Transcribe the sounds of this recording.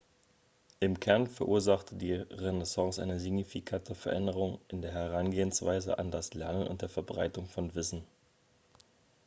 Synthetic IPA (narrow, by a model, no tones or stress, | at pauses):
ʔɪmkʰɛɐnfɛɐʔuːɐzaχtʰədiːʁɛnɛsɑ̃ŋsʔa̰ɪnəziɡnifikʰatʰəfɛɐʔɛndəʁ̞ʊŋʔɪndeːɐɦɛʁ̞anɡeːənsv̥aɪzə̰ʔa̰ndaslɛɐnənʔʊ̰nt̚d̥eːɐfɛɐbʁaɪtʊŋfɔnvɪsn̩